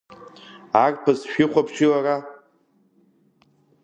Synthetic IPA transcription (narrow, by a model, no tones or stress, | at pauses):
arʼpʰɨzʃᶣɪχʷapʰʃilara